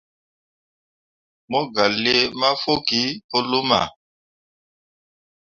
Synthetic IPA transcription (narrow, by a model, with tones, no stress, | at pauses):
mɔ˦ɡa˨le˦ma˦fo˦ki˦o˦lo˦ma̰˨